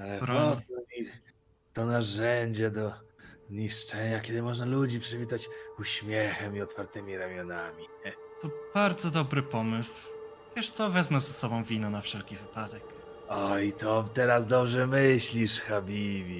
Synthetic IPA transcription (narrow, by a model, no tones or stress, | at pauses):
alɛɾɔɔɔix | t̪ɔnaʐɛɲd͡ʑɛd̪ɔzɲiʂt͡ʂɛɲakʲɛd̪ɘmɔʐnalud͡ʑipʂɛvʲit̪at͡ɕuɕmʲjɛxɛmiɔt̪faɾt̪ɛmʲiɾamʲjɔnamʲit̪ɔb̥aɾd̪zɔd̪ɔbɾɘpɔmɘsw | vʲjɛʂt̪sɔvɛzmazɛsɔbɔ̃w̃vʲinɔnafʂɛlkʲivɘpad̪ɛk | ɔit̪ɔt̪ɛɾas̬d̪ɔbʐɛmɘɕlʲiʂxabʲivʲi